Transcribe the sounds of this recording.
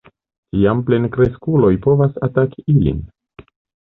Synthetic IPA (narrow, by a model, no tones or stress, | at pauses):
tiample̞nkɾe̞skulo̞jpo̞vasataki̥ilḭn